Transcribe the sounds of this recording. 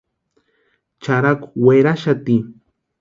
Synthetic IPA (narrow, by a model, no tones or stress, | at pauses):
t͡ʃaɾakʊ̥weɾaʃat̪i